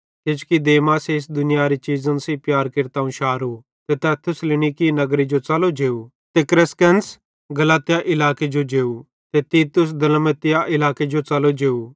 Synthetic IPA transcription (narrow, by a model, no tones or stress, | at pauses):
ked͡ʒu̥kid̪eːmases̬d̪ʊnɪjaɾit͡ʃiːzə̃nsipjaːɾkɪɾt̪aːũʃaːɾu | t̪et̪ɛt̪ʰːʊslɪñikinɐɡɾid͡ʒot͡sɐlod͡ʒeːu | t̪ekɾɪskɛns | ɡɐlaːt̪ɪjaʔɪlaːked͡ʒod͡ʒeːu | t̪et̪iːt̪ʊs̬d̪ɐlmət̪ɪjaʔɪlaːked͡ʒot͡sɐlod͡ʒeːu